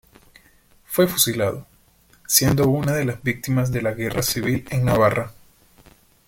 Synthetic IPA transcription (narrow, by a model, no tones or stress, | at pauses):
fwe̞fusilaðo | sje̞nd̪o̞unaðe̞lazbik̚t̪imazðe̞laɣe̞rasiβ̞ileŋnaβarʔa